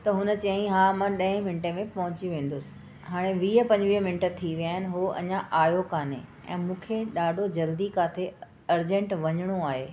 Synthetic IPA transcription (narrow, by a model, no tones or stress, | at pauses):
t̪ɐɦʊnə̆t͡ɕɐɦĩɦãːmãɗɐ̃ɦɪ̃mɪnʈẽmẽpɐɦʊ̃t͡ɕiʋẽːn̆d̪ʊsɪ̥̆ | ɦaːɽ̃eʋiːəpɐ̃ɲd͡ʑʋiːəmɪnʈə̆t̪ʰiʋijaːɦɪnɪ̆ɦoɐ̰ɲãʔaːjokaːnḛ̃ | ɛ̰̃ːmũːkʰeɗaːɖʱod͡ʑɐld̪ikaːt̪ʰe | ɐɾd͡ʑẽɳʈʋɐɲəɽ̃oaːɦḛː